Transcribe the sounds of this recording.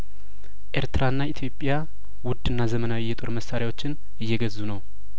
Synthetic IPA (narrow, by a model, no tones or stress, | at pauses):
ʔe̞ɾt̪ʰɨɾaɨnːait̪ʰjo̞pʼːja | wʊd̪ɨnːazəmənawijːɛt̪ʼo̞ɾməsːaɾjawo̞t͡ʃːɪn | ɨjːɛɡəzːunəw